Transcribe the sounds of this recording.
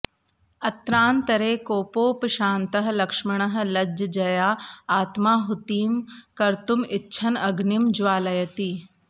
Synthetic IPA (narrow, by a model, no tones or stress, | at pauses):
ɐt̪ɾaːnt̪ɐɾeːkoːpoːpʃaːnt̪ɐɦ̆lɐkʂmɪɽ̃ɐɦ̆lɐd͡ʒɐd͡ʒɐjaːaːt̪maːɦut̪iːmkɐɾt̪umɪtːʃʰɐnɐɡnɪmd͡ʒʋaːlɐjɐt̪iː